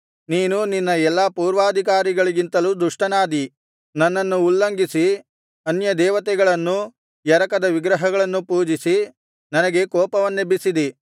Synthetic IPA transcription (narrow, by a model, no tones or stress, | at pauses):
niːnuninːɐɛlːapuːɾʋaːd̪ʱik̬aːɾiɡɐɭiɡint̪ɐluːd̪uʂʈɐnaːd̪i | nɐnːɐnːuːlːɐŋɡisi | ɐnjɐd̪ɛːʋɐt̪ɛɡɐɭɐnːu | jɐɾɐkɐd̪ɐʋiɡɾɐɦɐɡɐɭɐnːupuːd͡ʒisi | nɐnɐɡe̞kɔːpɐʋɐnːebisid̪i